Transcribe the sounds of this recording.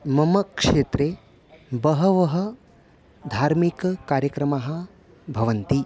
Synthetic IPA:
mɐmɐkʂeːt̪ɾe | bɐɦɐʋɐɦɐ̆ | d̪ʱaːɾmikkaːɾjəkɾɐmaɦɐ̆ | bʱɐʋɐnt̪i

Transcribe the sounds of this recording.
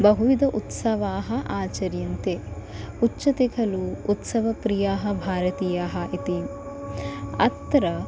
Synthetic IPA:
bɐɦuʋid̪ɐʔut̪sɐʋaːɦɐ̆ʔaːt͡ʃɐɾjɐnt̪eː | utːt͡ʃɐt̪ikʰɐluːt̪sɐʋɐpɾijaːɦɐ̆bʱaːɾɐt̪iːjaːɦɐʔit̪i | ɐ̰t̪ːɾɐ

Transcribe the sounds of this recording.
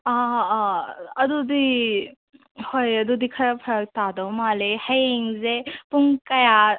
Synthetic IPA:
a | ɐdudi | hojɐdudikʰaɾapʰɐɾɐk̚tadɐwmalehɐjeŋzepuŋkɐja

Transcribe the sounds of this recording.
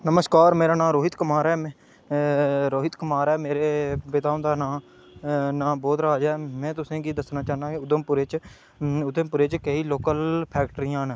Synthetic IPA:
nəməskaːɾmeːɾaːnãːɾoːɦɪt̪kəmaːɾɛː | ɾoːɦɪt̪kəmaːɾɛːmeːɾeːʋɪt̪ãːnd̪aːnãː | nãːbɔːt̪ɾaːd͡ʒɛːmɛ̃ːt̪ʊsẽːɡiːd̪əsnaːt͡ʃaːɦnd̪aːkʊd̪əmpʊɾeːt͡ʃ | ʊd̪əmpʊɾeːt͡ʃkəiːloːkəlpʰɛːk̚ʈɾɪjãːn

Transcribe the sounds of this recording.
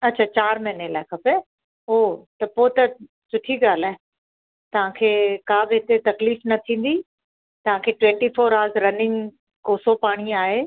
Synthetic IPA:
ɐt̚ːt͡ɕʰaːt͡ɕaːɾmɪɦnelaːɪkʰɐpe | oːt̪ɐpoːt̪ɐ | sʊʈʰiɡaːl̤aːɦẽ | t̪ɐʋ̤ãkʰeːkaːbɪɦɪt̪et̪ɐkliːfnɐt̪ʰĩːn̆d̪i | t̪ɐʋ̤ãkʰeːʈwɛ̃ɳʈifoːɾaːɾzɾɐnɪ̃ŋɡ | koːsopaːɽ̃iaːɦeː

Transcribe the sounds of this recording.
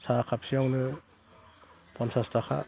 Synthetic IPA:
sakʰap̚siawnɯ | pʰɔnsastakʰa̰

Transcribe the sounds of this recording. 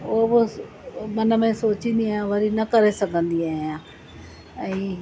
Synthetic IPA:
oɦbʊ | mɐnə̆mẽsoːt͡ʃĩnd̪iaːɦjãʋɐɾinɐkɐɾesɐɡʱə̃nd̪iaːjã | ɛ̃ː

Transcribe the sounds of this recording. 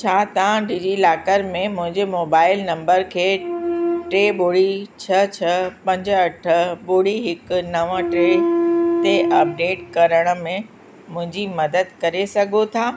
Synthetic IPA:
t͡ɕʰaːt̪ɐʋãɖiːd͡ʑilaːkəɾmẽmʊ̃ɦɪ̃ɲd͡ʑemoːbaːɪlnɐ̃mbəɾkʰeː | ʈɾeːɓoːɽit͡ɕʰɐt͡ɕʰɐpɐ̃ɲd͡ʑɐʈʰəɓʊːɽiɦɪknɐʋə̃ʈɾeːt̪eʔɐp̚ɖeːʈkɐɾəɽ̃ə̆mẽ | mʊ̃ɦɪ̃ɲd͡ʑimɐd̪əd̪kɐɾesɐɡʱot̪ʰaː

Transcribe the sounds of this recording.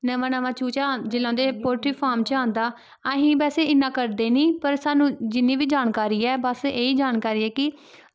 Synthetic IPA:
nəʋãːnəʋãːt͡ʃuːt͡ʃaːd͡ʒɪlːãːd̪eːpoːɾʈiːpʰaːɾmt͡ʃãːnd̪aː | əɦĩːbɛːseːɪnːãːkəɾd̪eːnĩːpəɾsaːnũːd͡ʒɪnːiːʋiːd͡ʒaːnkaːɾiːɛːbəseːiːd͡ʒaːnkaːɾiːɛːkɪ

